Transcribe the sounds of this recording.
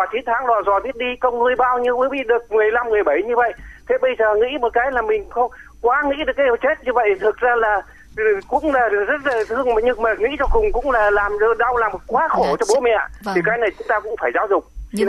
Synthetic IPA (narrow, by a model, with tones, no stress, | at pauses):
aː˨˩t͡ɕi˨˦nt̪ʰaː˨˦ŋzɔ˨˩zɔ˨˩t̪ʰi˦˥ət̚ɗi˧kə˧wŋ͡mnu˧əjɓaː˧wɲi˧wməː˨˦ɓḭ˧˨ɗɨ˨˩ək̚mɨ˨˩əjla˧mmɨ˨˩əjɓə˧˩jɲɨ˧və̰˧˨jt̪ʰe˨˩ɓə˧jzəː˨˩ŋḭ˧˥mo˨˩t̚kaː˨˦jlaː˨˩mï˨˩ŋ̟xə˧wŋ͡m | kwaː˨˦ŋḭ˧˥ɗɨ˨˩əkːa˨˦j̚t͡ɕe˦˥t̚ɲɨ˧və̰˧˨jt̪ʰɨ˨˩k̚zaː˧laː˨˩˨ | kʊ̰˧˥ŋ͡mlaː˨˩˨zə˦˥t̚laː˨˩t̪ɨ˧əŋma˨˩ɲɨ˧məː˨˩ŋḭ˧˥t͡ɕɔ˧kʊ˨˩ŋ͡mkʊ̰˧˥ŋ͡mlaː˨˩laː˨˩m˧ɗa˧wlaː˨˩mo˨˩t̚kwaː˨˦xo˧˩t͡ɕɔ˧ɓo̰˧˥mɛ̰˧˨t̪ʰi˨˩kaː˨˦jna˨˩jt͡ɕʊ˨˦ŋ͡mt̪aː˧kʊ̰˧˥ŋ͡mfaː˧˩jzaː˨˦wzʊ˨˩k͡p̚